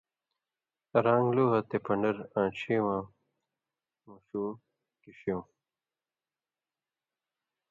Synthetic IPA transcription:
ɾaːŋɡluɦɐt̪epɐɳɖɐɾãːt͡ɕʰiːwãː | muɕuː | kiɕjõː

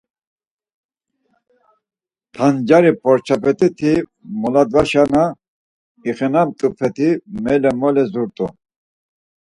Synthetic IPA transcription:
t̪ʰand͡ʒaɾipʰɔɾt͡ʃʰapɛt̪ʼit̪ʰimɔlad̪vaʃana | iχɛnamt̪ʼupʰɛt̪ʰimɛlɛmɔlɛzuɾt̪ʼṵ

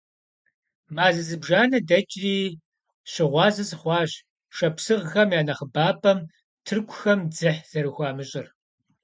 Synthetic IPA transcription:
maːzɨzɨbʒaːnɐdɐt͡ʃʼriː | ɕɪʁʷɑːzɐsʼχʷɑːɕ | ʂɐpsɨʁxɐmjaːnɐχəbaːpʼɐm | tʰɨrkʷʰʼʊxɐmd͡zɨħz̥ɐɾɨxʷɑːmɨɕʼɪr

